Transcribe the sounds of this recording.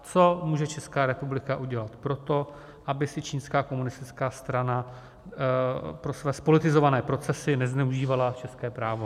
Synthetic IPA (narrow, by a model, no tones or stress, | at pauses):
t͡so̞muːʒɛt͡ʃɛskaːɾɛpublɪkaʔuɟɛlat̪pɾo̞t̪o̞ | ʔabɪsɪt͡ʃiːnskaːko̞munɪst̪ɪt͡skaːst̪ɾana | pɾo̞svɛːspo̞lɪt̪ɪzo̞vanɛːpɾo̞t͡sɛsɪnɛznɛuʒiːvalat͡ʃɛskɛːpɾaːvo̞